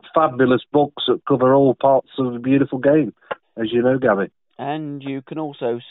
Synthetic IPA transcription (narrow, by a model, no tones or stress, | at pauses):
fabjəlˠəsb̥ʊksðəʔkʰʊvəɹɔːlˠpʰɑɹtsəvðəbjʉːˑɾɪfəl̩ˠɡẽɪ̃m | əzjənoʊɡabɪ | ə̃njəkʰə̃nɔˑlˠsoʊ